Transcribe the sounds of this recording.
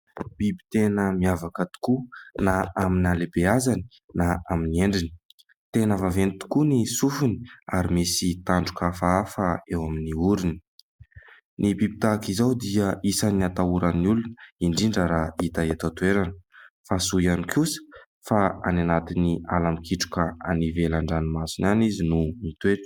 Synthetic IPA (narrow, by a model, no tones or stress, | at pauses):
b̥ibi̥t̪enəmiavakət̪u̥kunaaminalebeazani̥ | naaminieɳɖ͡ʐini̥ | t̪enəvavenit̪u̥kunisufuni̥aɾimisit̪aɳɖ͡ʐukafaafəewaminiuɾini̥ | nibibit̪akizawd̪iəisaniat̪auɾanulunəiɳɖ͡ʐiɳɖ͡ʐəɾait̪aet̪at̪ueɾanə̥fasujanikʰusə̥ | faa̰nanat̪inialamikʰiʈ͡ʂu̥kəa̰nivelaɳɖ͡ʐanimasinanizinumit̪weʈ͡ʂə̥